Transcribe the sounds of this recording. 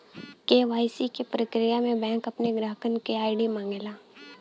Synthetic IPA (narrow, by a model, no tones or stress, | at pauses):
keːʋaːjsikepɾəkɾɪjamẽbɛ̃ːŋkɐpneɡɾaːɦəkənkeaːɪɖimãːŋɡelaː